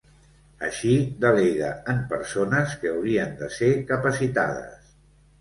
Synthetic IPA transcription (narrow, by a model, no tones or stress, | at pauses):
əʃid̪əleɣəəmpəɾsonəskəːwɾiənd̪əsekəpəsit̪a̰ð̞ə̰s